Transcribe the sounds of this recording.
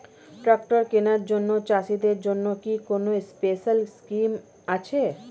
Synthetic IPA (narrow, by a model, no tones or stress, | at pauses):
ʈɾak̚ʈoɾkenaɾd͡ʑonːot͡ɕaʃid̪eɾd͡ʑonːokikonospeʃalskim | at͡ɕʰe